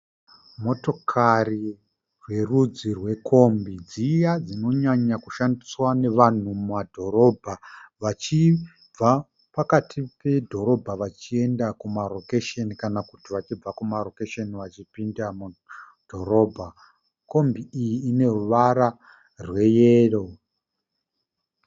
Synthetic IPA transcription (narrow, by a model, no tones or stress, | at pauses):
mo̞to̞kʰari | rwe̞rud͡zirwe̞kʰo̞mbid͡zijad͡zino̞ɲaɲakuʃandiswane̞ʋan̤ummadʱo̞ɾo̞bʱaʋat͡ʃi | a | pakatʰipe̞dʱo̞ɾo̞bʱaʋat͡ʃie̞ndakumaro̞keʃenikanakutiʋat͡ʃib͡vakumaro̞keʃeniʋat͡ʃipindamu | d̥ʱo̞ɾo̞ːbʱa | ko̞mbiːjiːne̞ruʋaɾa | rwe̞jeːro̞